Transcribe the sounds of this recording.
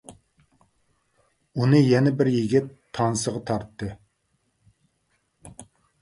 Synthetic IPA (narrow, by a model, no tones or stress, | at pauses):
unɨjɛnɛbɪɾjiɡʲɪt̪ʰːɑnsəʁɑt̪ʰɑɾt̪ːɨ